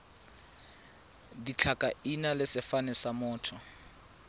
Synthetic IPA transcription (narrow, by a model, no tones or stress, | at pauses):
dit͡ɬʰakʼainalɪsɪfanɛsamʊːtʰɔ